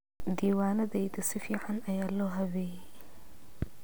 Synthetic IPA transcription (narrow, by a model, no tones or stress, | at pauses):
d̪iːwaːnɐðɛjd̪ɐsɪfiːʕɑnɐjaːlɔːɦɐβɛːjɛ